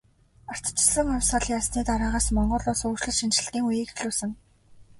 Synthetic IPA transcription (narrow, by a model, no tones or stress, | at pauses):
ar̥t̪t͡ɕɪ̥̆sə̆ŋʊwʲsaɮjaːsniːt̪aɾaːʁaːsmɔɴɢɞ̆ɮʊːsuːʃɮɘ̆ɮʃint͡ɕɘ̆ɬt̪iːŋujiːxɮuːsɘ̆ŋ